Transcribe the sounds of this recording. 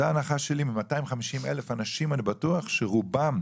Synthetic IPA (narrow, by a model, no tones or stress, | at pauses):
aːnaχaʃelimimataimχamiʃimelefanaʃimanibatuaχʃeʁubam